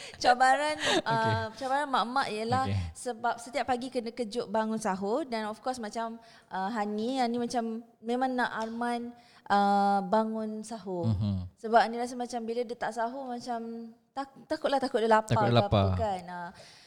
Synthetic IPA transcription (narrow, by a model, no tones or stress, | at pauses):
t͡ʃabaɾanʔəet͡ʃabaɾanmaʔmaʔiəlahsəbap̚sət̪iapːaɡikənəkəd͡ʒʊʔbaŋʊnsaɦudanɔfkɔsmat͡ʃam | ʔəɦanianimat͡ʃamːẽmãŋːaʔarman | ʔəbaŋʊnsaɦusəbap̚niɾas̬amat͡ʃambilədət̪aʔsaɦumat͡ʃam | t̪at̪akʊt̪̚laht̪akʊt̪̚dəlap̪kalapakana